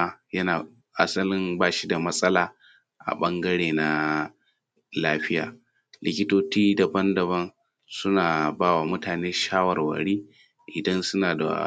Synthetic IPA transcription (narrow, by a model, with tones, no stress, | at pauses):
jɐ˦naː˨ | ʔa˦sɐ˦lɪ˦mbaː˦˨ʃi˦da˨mɐ˦sʼɐ˦laː˨ | ʔa̰˨ɓɐ˦ŋɡɐ˦ɽeː˨na˦ | laː˦ɸɪ˦ja̰ː˨ | lɪ˨kʲɪ˦toː˦t͡ʃiː˦da˨bɐ˦ndɐ˨βɐ˦n | sʊ˦naː˨baː˦wa˨mʊ˦taː˨neː˦ʃaː˦wɐ˨rwɐ̰˨ɽiː˦ | ʔɪ˨dɐ˦nsʊ˦naː˨da̰˨